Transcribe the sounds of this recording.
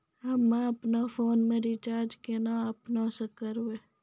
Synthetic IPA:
ɦɐmːãɐpnafʰoːnmẽɾɪt͡ʃaːɾd͡ʒkenãːəpnãːsəkəɾoeː

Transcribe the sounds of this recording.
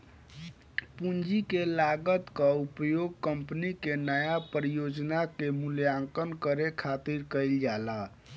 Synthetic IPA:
pund͡ʒikelaɡət̪kəupjoɡ̚kəmpnikenəjapɾijod͡ʒnakemuljaŋkənkəɾekʰat̪iɾkəjld͡ʒala

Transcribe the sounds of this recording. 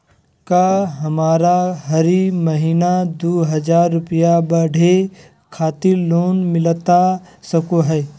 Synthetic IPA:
kaɦɐmaːɾaɦɐɾimɐɦiːnad̪oːɦɐd͡ʒaːɾːʊpijabɐɽ̤ʱe | kʰaːt̪ɪɾloːnmɪlt̪a | sɐkoɦɛː

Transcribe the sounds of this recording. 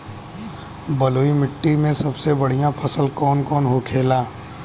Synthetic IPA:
bɐloːimɪʈːimẽsɐbsebɐɽ̤ijãpʰɐsəlkɔːnkɔːnɦokʰeːlaː

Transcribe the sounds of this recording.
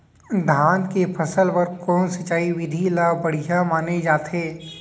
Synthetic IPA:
d̪ʱaːnkepʰɐsəlpɐɾkɔːnsɐt͡ʃaːiʋɪd̪ʱilabɐɽ̤ijamaːned͡ʒaːt̪ɦeː

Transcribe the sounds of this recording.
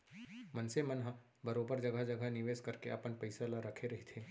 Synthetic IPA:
mɐnsemɐnɦa | bɐɾoːbəɾd͡ʒɐɡad͡ʒɐɡʱənɪʋeːskɐɾkeɐpənpɐɪsalaɾɐkʰeɾɐɦet̪ʰeː

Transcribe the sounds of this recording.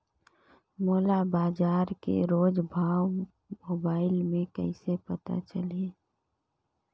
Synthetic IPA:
moːlabaːd͡ʒaːɾkḛɾoːd͡ʒbʱaːw | moːbaːɪlmẽkə̰ɪsepət̪a̰t͡ʃəle

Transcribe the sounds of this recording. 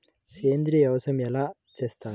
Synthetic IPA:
kʰeːnd̪ɾijɐʋɐsɐmɛlaː | t͡ʃeːst̪aː

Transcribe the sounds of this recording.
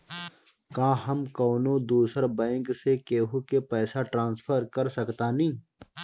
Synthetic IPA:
kãːɦɐmkɔːnõd̪uːsəɾbɛ̃ːŋksekeːɦukepɛːsaʈɾãːnsfʰəɾkɐɾsɐkt̪anĩː

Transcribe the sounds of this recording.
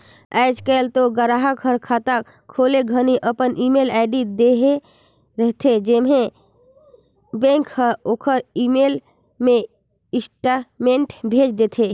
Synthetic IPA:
ɛɪd͡ʒkəlt̪oɡəɾaɦəkʰɦəɾkʰat̪ak | kʰːoleɡʱəniʔəpənʔimelɛɪɖid̪eɦe | ɾəɦt̪ʰed͡ʒemɦe | bẽŋkhəokʰəɾimel | me | ɪsʈameɳʈbʱed͡ʒd̪et̪ʰe

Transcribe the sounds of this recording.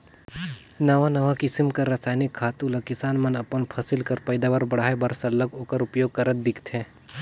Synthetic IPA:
nɐʋanɐʋakɪsɪmkɐɾːɐsaːjnikʰːaːt̪ulɐkɪsaːnmɐnɐpənpʰɐsɪlkɐɾpɐɪd̪aːʋaɾbɐɽ̤aːebɐɾsɐlːəɡɦoːkəɾʊpjoːɡ̚kɐɾət̪̚d̪ɪkʰt̪ʰɛ̃ː

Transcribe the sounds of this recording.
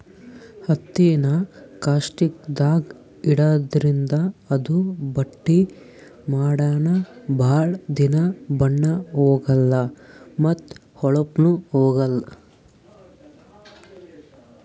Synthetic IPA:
hɐt̪ːinɐkaːsʈik̚d̪aːɡ | iɽɐd̪ɾind̪ɐːd̪ubɐʈːi | maːɽaːnɐbʱaːɭd̪inɐbɐɳːɐɦɔːɡɐlːɐmɐt̪ | hɔɭɐpnuhɔːɡɐlːɐ

